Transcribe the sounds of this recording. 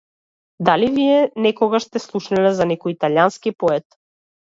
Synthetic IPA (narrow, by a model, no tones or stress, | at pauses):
d̪alivijɛnɛkɔɡaʃst̪ɛslˠuʃnɛlɛzanɛkɔjit̪aljanskipɔɛt̪